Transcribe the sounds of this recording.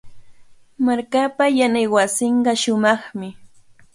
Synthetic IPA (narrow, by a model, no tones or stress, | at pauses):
maɾkapajanajwasɪɴɢɑʃʊmɑχmɪ